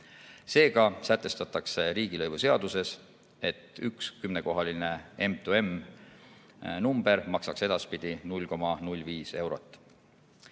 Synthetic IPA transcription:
se̞ːɡ̥ɑsæt̪ːˑe̞st̪ɑt̪ːˑɑkse̞ɾiːɡ̥ilɤjvuse̞ɑd̪̥use̞s | e̞t̪ːˑykskymne̞ko̞ɦɑline̞e̞mt̪ue̞m | numb̥e̞ɾmɑksɑkse̞d̪̥ɑspid̪̥inulʲːko̞mɑnulʲːviːse̞wɾo̞t̪ːˑ

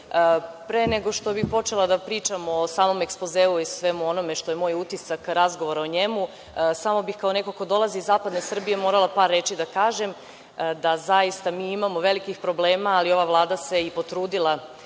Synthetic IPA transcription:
pɾeneɡo̞ʃt̪o̞bipo̞t͡ʃe̞lad̪apɾiːt͡ʃamosaːmo̞mekspozeːuisʋe̞muo̞no̞me̞ʃt̪o̞jemo̞jut̪isakɾazɡoʋoɾaoɲe̞mu | samo̞bixkao̞ne̞koko̞d̪o̞lˠaziːzːaːpad̪nesr̩bije̞mo̞ɾalˠapaːɾːe̞t͡ʃid̪akaːʒe̞m | d̪azajist̪amiːimamo̞ʋe̞likixpɾo̞ble̞ːmaːlio̞ʋaʋlˠaːd̪ase̞ipo̞t̪ɾuːd̪ilˠa

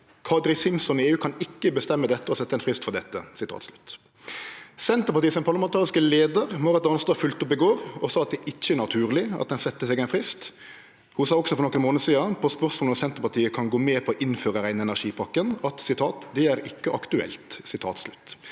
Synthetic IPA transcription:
kʰɑd̪ɾɪsɪmsɔnɪeːʉːkʰɑnɪkːəbəst̪ɛmːəd̪ɛt̪ːəɔsɛt̪ːəɛnfʁɪst̪fɔʁd̪ɛt̪ːə̰sɪt̪ʰɑ̰ːt̪slʉ̥t̪ | sɛnt̪əɾpɑɾt̪iːəsɔmpʰɑɾlɑmɛnt̪ʰɑːʁɪskəleːd̪əʁmɔʁɛt̪ɑnst̪oːfʉlt̪ʊpːɪɡoːɾɔsɑːɑt̪̚d̪ɛʔɪçc͡çːəænɑt̪ʰʉːʁlɪɑ̰t̪̚d̪ɛnsɛt̪ːəsɛɡæɪnfʁɪst̪ | hʊnsɑːɔksɔfɔɾnɔkːənmoːnəsiːɑpʰɔspœʁsmolɔsɛnt̪əɾpɑʁt̪ʰiːəkʰɑnɡoːmeːpʰɔɔʔɪnføːʁəɾæɪnəɛnæʁʂiːpʰɑkːənɑt̪sɪt̪ʰɑːt̪d̪ɛæɾɪkːəʔɑkt̪ʉɛ̰lt̪sɪt̪ʰɑ̰ːt̪slʉt̪

